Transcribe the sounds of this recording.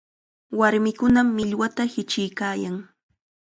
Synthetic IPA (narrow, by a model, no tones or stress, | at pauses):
waɾmɪkʊnamːɪʎwat̪ahɪt͡ʃɪjkaːjaŋ